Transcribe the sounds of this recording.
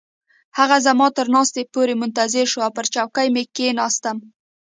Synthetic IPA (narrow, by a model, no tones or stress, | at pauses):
haɣazamɑt̪əɾnɑst̪epoɾemʊnt̪azɪɾʃoawpəɾt͡ʃɑwkajmekenɑst̪əm